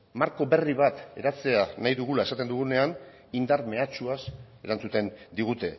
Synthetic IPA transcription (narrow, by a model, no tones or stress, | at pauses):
maɾko̞βe̞riβat̪e̞ɾat͡se̞anajðuɣ̞ulae̞sat̪e̞nd̪uɣune̞an | ind̪aɾme̞at͡ʃuase̞ɾant͡sut̪e̞nd̪iɣ̞ut̪e̞